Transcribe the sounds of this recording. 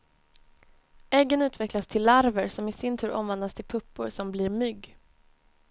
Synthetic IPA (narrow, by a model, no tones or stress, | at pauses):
ʔɛɡːənʉ̟ːt̪vɛklast̪ʰɪlːaɾvəɾsɔmɪsɪnt̪ʰʉ̟ːɾʔɔ̰mvɛnd̪ast̪ʰɪlpʰɵpːʊɾsɔmbliːɾmʏɡː